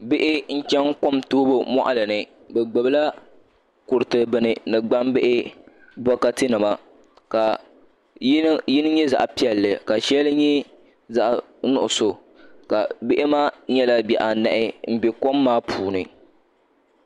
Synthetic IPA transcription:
bɪ˦ʔɪ˦ŋ̩˦t͡ʃɛ˦ŋko˦mtoː˦bo˦mɔ̰˦ʔa˦lɨ˨nɨ˨ | bɛ˨ɡ͡bɨ˨bɨ˦la˦ | kʊ˨ɾɨ˨tɨ˨bɨ˦˨nɨ˨nɨ˨ɡ͡ba˦mbɪ˦ʔɪ˦ | bɔ˦ka˦tɨ˦nɨ˨ma˦ | ka˨˦ | ji˦nɨ˦ɲɛ˦za̰˨ʔpi˦ɛ˨lːɨ˨ka˨ʃɛ˦lɨ˦ɲɛ˦ | za˨ʔ | nʊ̰˨ʔʊ˨so˨ | ka˨bɪ˦ʔɪ˦maː˦ɲɛ˦la˦bjɛ˨ʔa˨nɛ̰˨ʔɪ˦m̩˦bɛ˨ko˦mːaː˦pʰuː˨nɨ˨

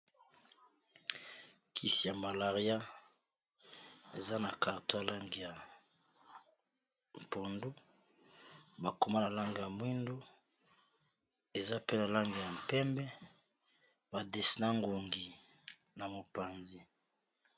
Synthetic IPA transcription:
kʰi˦si˨ja˨ma˨la˨ʁi˦a˦ | e˨za˦na˨ka˨ʁto˦ja˨la˦ŋɡi˨ja˨ | m˨po˨ndu˦ | ba˨ko˨ma˦na˨la˦ŋɡa˨ja˨mwi˦ndo˦ | e˨za˦pe˦na˨la˦ŋɡi˨ja˨m̩˨pɛ˦mbɛ˦ | ba˨de˨si˨na˦ŋɡo˨ŋɡi˨ | na˨mo˨pa˨nzi˦

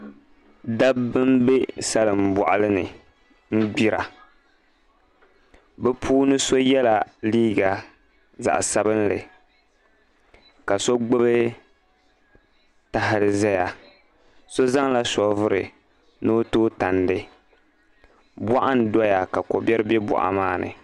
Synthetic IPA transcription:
da˦bːɨ˦mbe˦sa˦lɨ˨m̩˨bɔ̰˨ʔa˨lɨ˦nɨ˨ | m̩˦ɡ͡bi˦ɾa̰˨ | bɛ˦pʰuː˦nɨ˦so˦jɛ˦la˨liː˦ɡa˨ | za̰˨ʔsa˦bɨ˦n˦lɨ˨ | ka˨so˦ɡ͡bo˦bɨ˦ | ta˦ɦɪ˨ɾɨ˨zɛ˦ja˨ | so˦za˦ŋla˦sɔ˨vʊ˦ɾɨ˨ | no˦toː˦ta˨ndɨ˨ | ba˦ʔa˦n˨dɔ˦ja˨ka˨ko˨bɛ˦ɾɨ˦bɛ˦bɔ̰˨ʔa̰˨maː˦nɨ̰˨

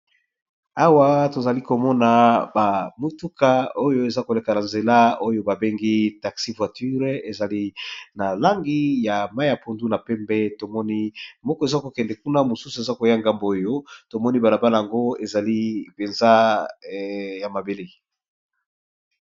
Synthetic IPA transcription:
a˦wa˦to˨za˨li˦ko˨mɔ˦na˨ba˨mu˦tu˦ka˨o˦jo˦e˨za˦ko˨le˨ka˨na˨nze˨la˦o˦jo˦ba˨be˦ŋɡi˦ta˨ksi˦vwa˨ty˦ʁe˨za˨li˦na˨la˦ŋɡi˦ja˨mba˦a˨po˨ndu˦na˨pɛ˦mbɛ˦to˨mɔ˦ni˦mɔ˦kɔ˨e˨za˦ko˨kɛ˨ndɛ˨ku˦na˦mo˨su˦su˨e˨za˦ko˨ja˦˨ŋɡa˦mbo˨o˦jo˦to˨mɔ˦ni˦ba˨la˨ba˦na˨ja˨ŋɡo˦e˨za˨li˦pe˨nza˦ | ja˨ma˨be˨le˦

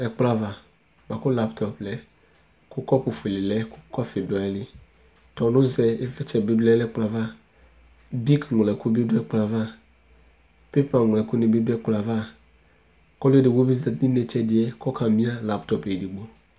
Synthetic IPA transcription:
ɛ˨k͡pla˦va˨ | ma˨kʊ˦la˦ptʰɔ˨plɛ˨ | kʊ˦kɔ˦pʊ˨fu˨e˨lɪ˨lɛ˦kʊ̥˦kɔ˦fɪ˨da˨ɛ˨lɪ˦ | tɔ˨nʊ˦zɛ˨ɪ˦vɛ˦t͡ʃɛ˨be˦du˦lɛ˦lɛ˦k͡pla˨va˦ | bi˦kŋʷ˨lɛ˨kʊ˦bi˦dʊ˦ɛ˦k͡pla˨va˦ | pe˦pa˨ŋʷ˨lɛ˨kʊ˦nɪ˨be˦dɛ˦k͡pla˨va˦ | kɔ˦lʊ˦ɛ˦di˨ɡ͡bo˦bi˦zɛ˨˦ni˦ne˨t͡ʃɛ˦dɪ˨ɛ˦kɔ˦kʰa˨mĩ˦a˦la˨ptɔ˨pe˨di˨ɡ͡bo˨

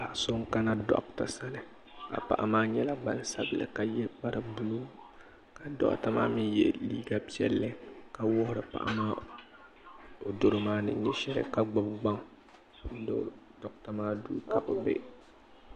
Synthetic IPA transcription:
ba˨so˦ŋ˦ka˦na˦dɔ̰˨kta˨sa˦lɨ˦ | ka̰˨pa̰˨ʔa̰˨maː˦ɲɛ˦la˦ɡ͡ba̰˨n˦sa̰˦bɨ˨lɨ̰˨ka˨jɛ˦ba˦ɾɨ˦bu˦lu˦ | ka˨dɔ̰˦ʔta˦ma̰ː˦mɨ˦jɛ̰˨liː˦ɡa˦pi˦ɛ̰˦lːɨ˦ka˦wʊ˦hʊ˨ɾɨ˨pa̰˦˨ʔa̰˦maː˦ | o˨do˦ɾɨ˦maː˦nɨ̰˨ɲɛ˦ʃɛ˦lɨ̰˦ka˦ɡ͡ba˦bɡ͡ba˦ŋ | n̩˦do̰˦ | dɔ˦k̚ta˨maː˦duː˦ka˨ʔo˨bɛ̰˦

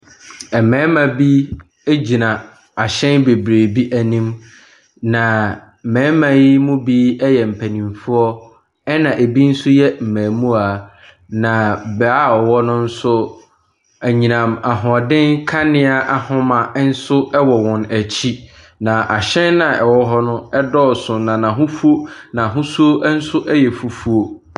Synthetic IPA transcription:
ɛ˨mɛ̃ː˨˦mã˨bi˦ | e˦d͡ʑi˨nã˨ | a˨ɕɛ̃˦nbe˨bɾeː˨bi˦ʔæ˨nĩ˦m | nã˨ | mɛ̃ː˨˦mã˨ji˦mʊ̃˦bi˦ɛ˦jɛ˨m̩˨pʰæ˨nĩ˨ɱfu˦ɔ˦ | ɛ˦nã˨ʔe˨bi˦n̩˦sʊ˦jɛ˦m̩˨mæ̃ː˨mũ˦a˨ | nã˨bɛ˨a˦ɔ˨wɔ˦nʊ̃˦n̩˦sʊ˦ | æ˨ɲĩ˨nã˨ma˨ɦɔ̃˨dɪ̃˦ŋ˦kʰa˦nɪ̃˦a˦ʔa˨hʊ̃˦mã˨˦n̩˦sʊ˦ɛ˦wɔ˨wɔ̃˨næ˨t͡ɕʰi˦ | nã˨ʔa˨ɕɛ̃˦nːã˨ɛ˨wɔ˦ɦɔ˦nʊ̃˦ɛ˦dɔ˦sʊ̃˨nã˨nã˨ɦʊ̃˦fu˦o˦nã˨ɦʊ̃˦su˦o˦n̩˦sʊ˦ʔɛ˦jɛ˨fu˨fu˦o˨

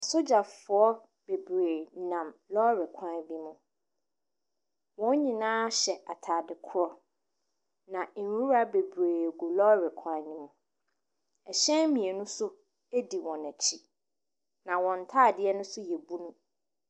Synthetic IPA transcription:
a˨sʊ˦d͡ʑa˨fʊ˨˦ɔ˦ | b̥e˨bɾeː˨nã˨mlɔ˦ɾɪ˨kʷʰã˦nbi˦mũ˨ | wɔ̃˦ɲĩ˨nãː˦ɕɛ˨a˨tʰaː˨dɪ˨kʰʊ˦ɾɔ˦ | nã˨˦wu˦ɾa˦be˨bɾeː˨ɡu˨lɔ˦ɾɪ˨kʰã˦ɲĩ˦mũ˨ | ɛ˨ɕɛ̃˦mĩ˨e˨nũ˦sʊ˦ | e˦di˨wɔ̃˨næ˨t͡ɕʰi˦ | nã˨wɔ̃˨n̩˨tʰaː˦˨dɪ˦ɛ˦nʊ̃˦sʊ˦jɛ˨bu˦nũ˦

